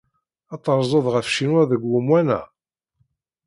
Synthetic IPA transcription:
ɑt̪ˤːəɾˤzˤəðˤʁəfʃinwæðəɡːumwænæ̰

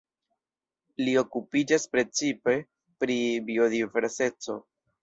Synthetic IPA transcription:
lio̞kupid͡ʒaspɾe̞t͡sipe̞ | pɾibio̞dive̞ɾse̞t͡so̞̰

